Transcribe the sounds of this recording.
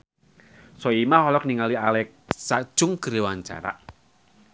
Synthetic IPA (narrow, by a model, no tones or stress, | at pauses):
sɔimahɔlɔkniŋalialɛk̚ | sad̥ʒ̥ʊŋɡ̥əɾewaɲt͡ʃa̰ɾa̰ʔ